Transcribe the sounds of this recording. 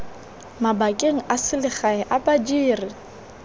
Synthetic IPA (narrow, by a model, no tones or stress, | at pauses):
mabakʼeŋ̩ʔasɪlɪχaɛʔapʼad͡ʒiːrɪ